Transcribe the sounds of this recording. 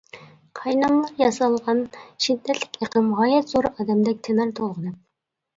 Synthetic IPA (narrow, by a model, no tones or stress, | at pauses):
qʰɑjnɑmlˠɑɾjɑsɑlˠʁɑnʃid̪ːɛt̪ʰlɪ̥kʲeqʰəmʁɑːjɛt̪zoɾɨʔɑːd̪ɛmd̪ɛk̚ʲt̪ʰenɑɾt̪ʰolˠʁənɨp̚